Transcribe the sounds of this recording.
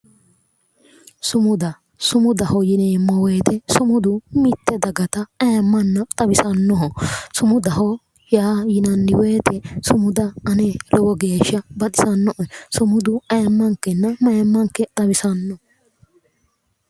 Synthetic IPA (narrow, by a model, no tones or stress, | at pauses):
sʊmʊd̪ɐ | sʊmʊd̪ɐhɔjɪneːmɐweːt̪ɛsʊmʊd̪ʊmɪt̪ːɛd̪ɐɡɐt̪ɐɐːmːɐnːɐt̪ʼɐbɪsɐnːɔɦɔsʊmʊd̪ɐɦɔ | jaːjɪnɐnːɪweːt̪ʰɛsʊmʊd̪ɐɐnelɔbɔɡe̞ːʃːɐbɐt̪ʼɪ̥sɐnːɔʔɔsʊmʊd̪ʊɐmːɐŋkːɛnːɐmɐmːɐŋkːɛt̪ʼɐbɪsɐnːɔ